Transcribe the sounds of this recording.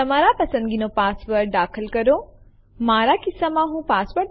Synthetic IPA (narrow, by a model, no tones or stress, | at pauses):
t̪ɐmaːɾapɐsə̃nd̪ɡinõpaːsʋɐɾɖaːkʰəlkɐɾo | maːɾakɪsːamãɦũːpaːsʋəɾ